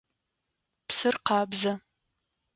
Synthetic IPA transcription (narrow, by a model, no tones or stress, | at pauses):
psɨrqɑːbzɐ